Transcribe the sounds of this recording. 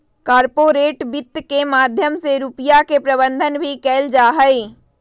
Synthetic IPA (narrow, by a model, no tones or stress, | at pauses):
kaːɾpoːɾeːʈbɪt̪ːkemaːd̪ʱjəmseɾupɪjakepɾəbə̃nd̪ʱənbʱikɛːld͡ʒaːɦəe